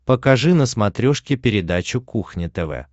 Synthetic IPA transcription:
pəkɐʐɨnəsmɐt̪ɾʲoʂkʲɪpʲɪɾʲɪd̪at͡ɕʊkuxnʲɪt̪ɛvɛ̰

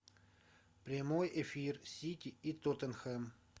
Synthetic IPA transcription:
pɾʲɪmojefʲirsʲitʲɪit̪ot̪ənxɛm

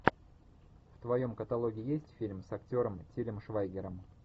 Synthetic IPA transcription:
ft̪vɐjo̞mkət̪ɐlˠo̞ɡʲɪːjesʲtʲfʲilʲmsɐktʲo̞ɾəmtʲilʲɪmʂvajɡʲɪɾəm

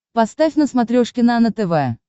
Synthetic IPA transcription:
pɐst̪afʲnəsmɐt̪ɾʲoʂkʲɪnanət̪ɛvɛ

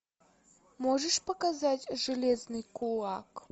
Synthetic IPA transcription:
moʐɛʂpɐkazatʲʐɨlʲeznɨjkʰulˠak

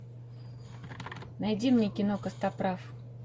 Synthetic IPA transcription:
najdʲimnʲekʲɪnokəst̪apɾaf

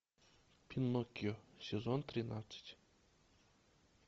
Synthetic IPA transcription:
pʲinːɔkʲjɔsʲɛzont̪ɾʲɪnat̪sə̥tʲ

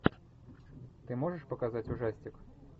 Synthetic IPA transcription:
t̪ɨmɔʐəʂpɐkazat͡sʲuʐasʲtʲik

